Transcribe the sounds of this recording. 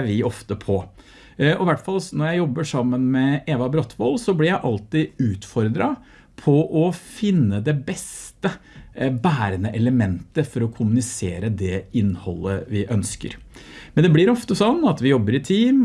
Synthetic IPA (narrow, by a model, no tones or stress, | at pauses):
ʋɪɔft̪əpʰɔ | ɔɪʋæʈfɑlnɔɾjæɪjɔbːəʂɑmːənmɛeːʋɑbɾɔt̪ʰːʋɔlsɔblɪɾjæɪʔɑlt̪ɪʉːt̪fɔɾd̪ɾɑ | pʰɔʔɔfɪnːəd̪ɛbɛst̪əbæːɾənəʔɛləmɛnt̪əfɔɾɔkʰʊmʉnɪseːɾəd̪ɛɪnːhɔ̰lːəʋɪʔœnskə̰ɾmɛnd̪ɛblɪɾɔft̪əsɔnːɑt̪ʋɪjɔbːəɾɪt̪ʰiːm